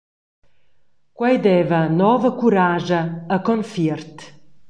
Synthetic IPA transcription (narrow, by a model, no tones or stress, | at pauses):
kwɛjd̪ɛvənɔvəkuɾaʒəːkɔnfirt̪